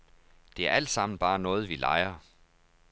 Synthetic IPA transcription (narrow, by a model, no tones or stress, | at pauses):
d̥e̝æɐæl̰d̥sɑ̈m̰n̩b̥ɑ̈ːnɔ̽ːð̞̩ˠʋilʔɑ̰̈ɪɐ